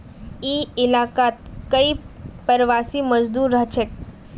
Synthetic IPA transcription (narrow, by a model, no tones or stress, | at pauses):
iɪlakat̪̚kəipəɾʋasiməd͡ʒd̪uːɾːəɦt͡ʃʰek